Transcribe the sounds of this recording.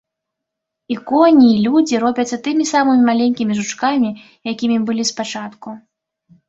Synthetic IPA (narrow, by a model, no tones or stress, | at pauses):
ikɔnʲiːlʲud͡zʲiɾɔbʲɐt̪sːɐt̪ɨmʲisamɨmʲmalʲenʲkʲimʲiʐut͡ʂkamʲi | jakʲimʲibɨlʲispat͡ʂat̪ku